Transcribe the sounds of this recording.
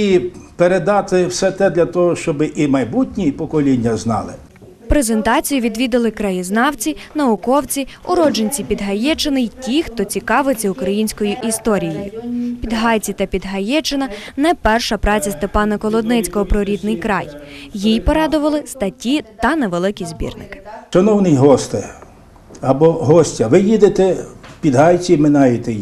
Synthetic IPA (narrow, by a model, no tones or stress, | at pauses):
ipeɾed̪ɑt̪ɪwsɛt̪ɛd̪lʲɐt̪ɔɦɔʃt͡ʃɔbɪʔimɐjbutʲnʲipɔkɔlʲinʲːɐznɑ̰lˠɪ̰ | pɾezent̪ɑt͡sʲijʊʋʲid̪ʋʲid̪ɪlˠɪkɾɐjiznɑwt͡sʲinɐʊkɔwt͡sʲiʊɾɔd͡ʒenʲt͡sʲipʲid̪ɦɐjɛt͡ʃɪnɪjtʲixt̪ɔt͡sʲikɑʋɪt͡sʲɐʊkɾɐjinʲsʲkɔjʊʔist̪ɔɾʲijḛjʊ̰pʲid̪ɦɑjt͡sʲit̪ɐpʲid̪ɦɐjɛt͡ʃɪnɐnɛpɛrʃɐpɾɑt͡sʲɐst̪epɑnɐkɔlˠɔd̪nɪt͡sʲkɔɦɔpɾɔɾʲid̪nɪjkɾɑjjijpɔɾɑd̪ʊʋɐlˠɪst̪ɐtʲit̪ɐneʋelˠɪkʲizʲbʲḭrnɪ̰kɪ̥ʃɐnɔwnɪjɦɔst̪ɪ | ɐbɔɦɔsʲtʲɐʋɪjid̪et̪ɛwpʲid̪ɦɑjt͡sʲimɪnɑjɪt̪ɛ